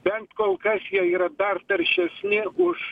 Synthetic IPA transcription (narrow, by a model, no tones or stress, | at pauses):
bʲɛnt̪koːlˠkɐsjɛiːɾɐd̪ɐɾt̪ɐɾʲʃʲɛsʲnʲɪʔʊʃ